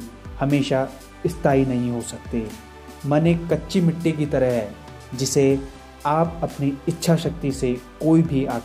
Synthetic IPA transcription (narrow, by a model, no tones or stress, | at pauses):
hɐmeːʃa | ɪst̪aːinɐɦĩɦosɐk̚t̪eː | mɛnekɐtːʃʰimɪʈːek̬it̪ɐɾəɦɦɛ | d͡ʒɪse | aːp̚ɐpniɪtːʃʰaʃɐk̚t̪isekoːibʱiaː